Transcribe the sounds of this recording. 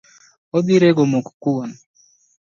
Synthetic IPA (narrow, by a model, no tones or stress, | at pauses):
od̪iɾeɡomokkuɔn